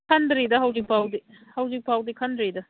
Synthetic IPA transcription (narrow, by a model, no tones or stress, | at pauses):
kʰɐndɾidɐɦɐwzik̚pawdihɐwzik̚pawdikʰɐndɾidɐ